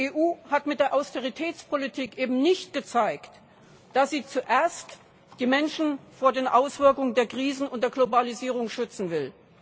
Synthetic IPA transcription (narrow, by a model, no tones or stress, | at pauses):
eːʔuːhatmɪt̚d̥eːɐʔaʊsteʁ̞itʰɛːt͡spʰolitʰiːkʔeːbm̩nɪçt̚ɡ̥ət͡saɪkt | d̥asz̥iːt͡suʔeːɐst | d̥iːmɛnʃn̩foːɐdeːnʔaʊsv̥ɪɐkʊŋəndeːɐkʁ̥iːzn̩ʊnt̚d̥eːɐɡlobaliziːʁ̞ʊŋʃʏt͡sn̩vɪl